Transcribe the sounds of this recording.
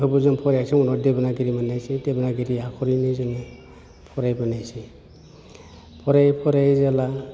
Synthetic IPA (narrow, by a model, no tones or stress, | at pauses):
ɔbɔzɔnpʰɔɾjasiŋɔnɔdebanaɡiɾimanajsitebanaɡiɾiakʰɔɾinizɔn | pʰɔɾajbanajsi | pʰɔɾajpʰɔɾajzala